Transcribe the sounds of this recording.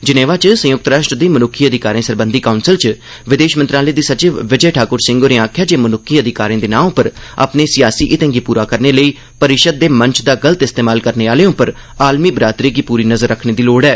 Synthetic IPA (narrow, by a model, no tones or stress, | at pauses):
d͡ʒɪneːʋaːt͡ʃsə̃jʊk̚t̪ɾaːʃʈɾəd̪iːmənʊkʰːiːəd̪ʱɪkaːɾẽːsəɾbə̃nd̪iːkaːʊnsɪlt͡ʃ | ʋɪd̪eːʃmənt̪ɾaːleːd̪iːsət͡ʃɪʋʋɪd͡ʒəːʈʰaːkʊɾsɪ̃ŋɡoːɾeːaːkʰjaːd͡ʒeːmənʊkʰːiːəd̪ɪkaːɾẽːd̪eːnãːõːpəɾa̰pneːsɪjaːsiːʔɪt̪ɛ̃ŋɡiːpuːɾaːkəɾneːləiː | pəɾɪʃəd̪̚ːeːməɲt͡ʃʰd̪aːɡəlt̪ɪst̪eːmaːlkəɾneːaːleːõːpəɾ | aːlmiːbɾaːt̪ɾeːɡiːpuːɾiːnəzəɾːəkʰneːd̪iːloːɖɛː